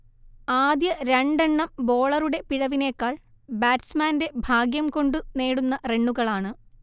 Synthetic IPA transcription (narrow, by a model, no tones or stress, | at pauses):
aːd̪jɐɾeɳɖɐɳːɐmbo̞ːɭɐruɽe̞piɻɐʋine̞ːkːaːɭ | baːtsmaːnde̞bʱaːɡjɐmko̞ɳɖɨne̞ːɽunːɐre̞ɳːuɣɐɭaːɳɨ